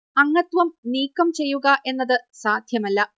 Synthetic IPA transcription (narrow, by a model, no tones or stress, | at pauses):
ɐŋːɐt̪ʋɐmniːkːɐmt͡ɕe̞jːuɣɐʔe̞nːɐðɨsaːd̪ʱjɐmɐlːɐ